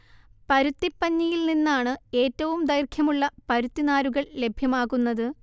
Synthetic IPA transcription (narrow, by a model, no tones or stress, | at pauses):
pɐɾut̪ːipːɐɲːijilninːaːɳɨe̞ːtːɐʋumd̪ɐjrkʰjɐmuɭːɐpɐɾut̪ːinaːɾuɣɐɭle̞bʱjɐmaːɣunːɐðɨ